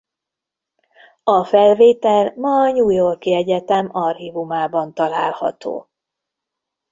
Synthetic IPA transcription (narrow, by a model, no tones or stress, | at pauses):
ɒfɛlveːt̪ɛlmɒːɲuːjo̞rkiɛɟɛt̪ɛmɒrhivumaːbɒnt̪ɒlaːlhɒ̰t̪o̰ː